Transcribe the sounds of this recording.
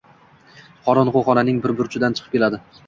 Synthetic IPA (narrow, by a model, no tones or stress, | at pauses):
qʰɒɾɒnʁoχɒnanɪŋbɪɾbʊɾt͡ʃʰɪd̪ant͡ʃʰɨ̥qʰɨ̥p̚kʲe̞lad̪ɪ